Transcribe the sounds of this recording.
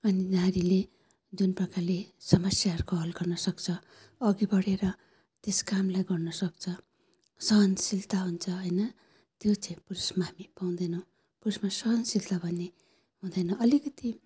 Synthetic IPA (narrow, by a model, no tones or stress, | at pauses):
ʌninaɾile | d͡zunprʌkalesʌmʌsjaɦʌɾukoɦʌlɡʌrnʌsʌkt͡sʰʌ | ʌɡibʌɽeɾʌ | t̪eskamlajɡʌrnʌsʌk̚t͡sʰʌ | sʌɦʌnsilt̪aɦunt͡sʰʌɦʌjnʌ | t̪jot͡sʌĩpurusmaɦamipaw̃d̪ʌjnʌ̃w̃ | purusmasʌɦʌnsilt̪abʱʌne | ɦũd̪ʌjnʌ̃ʔʌlikʌt̪i